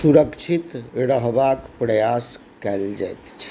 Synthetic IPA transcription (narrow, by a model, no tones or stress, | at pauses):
suɾəkt͡ʃʰit̪ɾəɦbakpɾəjas | kɛld͡ʒa̰jt̪t͡ʃʰ